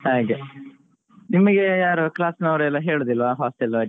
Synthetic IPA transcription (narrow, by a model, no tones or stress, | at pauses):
haːɡe | nimɐɡejaːɾuklaːsnɐʋɾɛlːɐɦeːɭuːd̪ilːʋaɦaːsʈilʋa